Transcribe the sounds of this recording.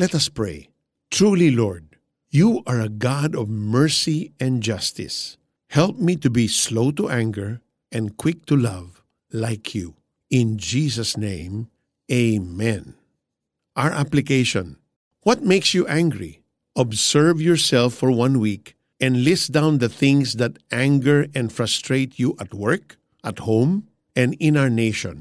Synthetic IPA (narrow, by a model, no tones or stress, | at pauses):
lɛt̪ʌspɹḛɪ | t̪ʰɹulilɔɹd̚ | juʔaɹɐɡadɔvmɛɹsiɛ̃nd͡ʒʌst̪ɪ̰s | hɛlp̚mit̪ubisloʊt̪uʔæ̃ŋɡəɹ | ʔɛ̃nd̪kʰwɪk̚t̪ʰulʌv | laɪkʰju | ɪ̃nd͡ʒisəsnẽɪ̃m | eɪmɛ̃n | ʔaɹʔaplɪkeɪʃɔ̃n | wʌt̪̚meɪksjuʔæ̃ŋɡɹḭ | ʔɔbsɛɹvjɔɹsɛlfɔɹwʌ̃nwik | ɛ̃nlɪsd̪ãʊ̃nd̪əθɪ̃ŋsd̪at̪ʔæ̃ŋɡəɹɛ̃nfɹast̪ɹeɪt̪ʰjuʔat̪wɜɹk | ʔat̪hõʊ̃m | ʔɛ̃ndɪ̃naɹneɪʃɔ̰̃n